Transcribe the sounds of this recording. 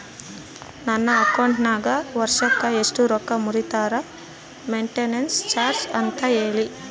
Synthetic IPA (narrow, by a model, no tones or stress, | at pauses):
nɐnːɐːkɐwɳʈnaːɡɐʋɐɾʂɐkːɐeʂʈuɾɔkːɐmuɾit̪aːɾɐ | meɳʈenenst͡ʃaːɾsɐnt̪ɐe̞ːɭi